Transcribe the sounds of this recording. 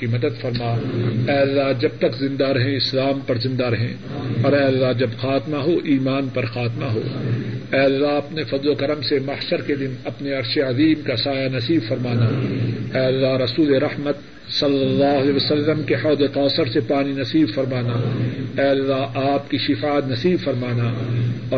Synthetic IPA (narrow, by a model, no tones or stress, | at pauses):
imɐd̪əd̪fɐɾmaːɛːɐlːaɦd͡ʒɐb̚t̪ɐkzɪ̃nd̪aɾɦɛ̃ɪslaːmpɐɾzɪ̃nd̪aɾɦɛ̰̃ː | ɔːɾɛːɐlːaɦd͡ʒɐbxaːt̪maɦoʔiːmaːnpɐɾxaːt̪maɦo̰ːɛːɐlːaɦɐpnefɐd̪lokɐɾəmsemɐhʃəɾked̪ɪnɐpneɐɾʃeɐziːmkasaːjanɐsiːbfɐɾmaːnaɛːɐlːaɦɾɐsuːleɾɐhmət̪ | sɐlːɐlːaːɦɐlɛːʋɐsɐlːəmkehɐːd̪eqɔːsəɾsepaːninɐsiːbfɐɾmaːnaɛːɐlːaɦaːpkiʃɪfaːt̪nɐsiːbfɐɾmaːnaːɔː